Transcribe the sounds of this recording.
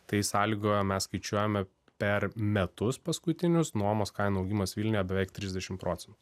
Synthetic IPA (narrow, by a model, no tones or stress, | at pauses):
t̪ɐɪsɑːlʲiɡoːjɛmʲɛsskɐɪt͡ʃʲuɔjɛmʲɛ | pʲɛɾmʲɛt̪ʊspɐskʊt̪ʲɪnʲʊsnuɔmoːskɐɪnuɐʊɡʲiːmɐsʋʲiːlʲnʲojɛbʲɛʋʲɛɪkt̪ʲɾʲɪzd̪ʲɛʃʲɪmpɾoːt̪sʲɛnt̪u